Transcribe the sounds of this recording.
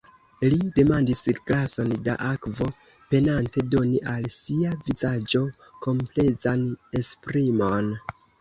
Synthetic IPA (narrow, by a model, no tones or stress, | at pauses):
lide̞mandisklaso̞nda̰ʔakvo̞ | pe̞nante̞do̞niʔalsiavizad͡ʒo̞ | ko̞mple̞zane̞spɾimo̞n